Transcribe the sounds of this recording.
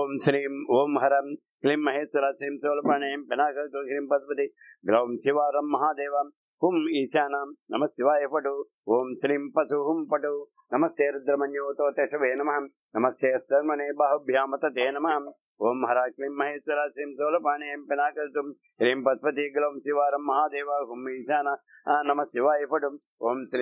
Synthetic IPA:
oːmʃɾiːmoːmɦɐɾɐ | klimːɐɦeːsʋɐɾaːsɾiːmsoːlɐpaːɳeempinaːkɐɾt̪uʃɾiːmpɐt̪pɐt̪i | ɡlɐʋmsiʋaːɾɐmːɐɦaːd̪eːʋa | humiːt͡ʃaːnaːmnɐmɐsiʋaːjepɐʈu | oːmsɾiːmpɐsuɦumpɐʈu | nɐmɐst̪eːɾud̪ɾɐmɐnjoːt̪oːt̪eːʃɐʋeːnɐmɐɦɐ | nɐmɐst̪eːɐsd̪ɐɾmɐneːbaɦɐbʱjaːmɐt̪ɐt̪eːnɐmɐɦɐm | oːmɦɐɾaːʃliːmːɐɦeːt͡ʃʋɐɾaːʃlimsoːlɐpaːɳeempinaːkɐɾt̪um | ʃɾiːmpɐspɐt̪iɡlɐʋmsiʋaːɾɐmːɐɦaːd̪eːʋaːɦumiːʃjaːnɐ | nɐmɐsiʋaːjipɐʈuoːmsl

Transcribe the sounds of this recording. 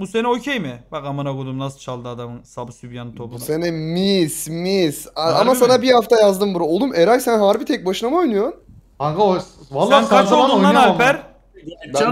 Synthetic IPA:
buseniocʰejmɪbakamanaɡod̪umnasɯt͡ʃʰalˠd̪ɯad̪amɯnsabɯsybjanɯt̪ʰopusenɛmismisaamasanabihaft̪ʰajazd̪ɯmbuɾaolˠd̪umʔeɾajsænɦaɾbit̪ʰɛc̚baʃɯnamo̞jnujo̞ɾn | aɡ̪ː | nkat͡ʃoluanalpæɾ | b

